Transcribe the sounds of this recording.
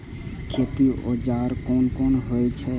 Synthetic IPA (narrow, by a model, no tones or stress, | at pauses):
kʰet̪io̰d͡ʒaɾkonkonɦojt͡ʃʰɛ